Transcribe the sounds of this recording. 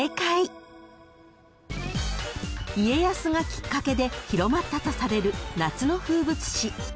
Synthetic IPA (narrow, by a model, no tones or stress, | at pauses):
ekai | ie̞jasɨŋakʲi̥kːake̞d̪e̞çiɾo̞mat̪ːat̪o̞saɾe̞ɾɯ̟nat͡sɨno̞ɸɯ̟ːbɯ̟t͡sɨ̥ɕi